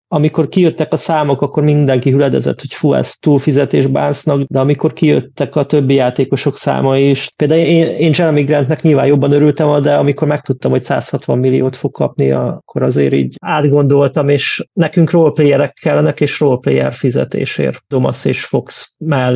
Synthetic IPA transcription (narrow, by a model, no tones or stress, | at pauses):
ɒmiko̞rkijøt̪ːɛkɒsaːmo̞kɒkːo̞rmind̪ɛŋkiɦylɛd̪ɛ̰zɛ̰t̪ho̞cfuɛ̰st̪uːlfizɛt̪eːʒba̰ːrsnɒɡd̪ɛɒmiko̞rkijø̰t̪ːɛkɒt̪ø̞bːijaːt̪eːko̞ʃo̞ksa̰ːmɒiʃpeːld̪aːweːneːnt͡ʃɛɾɒmiɡrɛnt̪nɛkɲilvaːnjo̞bːɒnøɾylt̪ɛmɒd̪ɛɒmiko̞rmɛk̚t̪ut̪ːɒmho̞csa̰ːshɒt̪ʋɒmːilːijoːt̪fo̞kkːɒ̰pnḭɒ̰kːo̞ɾɒzḛːɾḭːɟaːd̪ɡo̞nd̪o̞lt̪ɒmeːʃnɛkyŋkroːlpleːjɛɾɛkʰːɛlːɛnɛkeːʃroːlplḛːjɛ̰rfizɛ̰t̪ḛːʃḛːrd̪̥o̞mɒ̰sḛːʃfo̞ksmɛl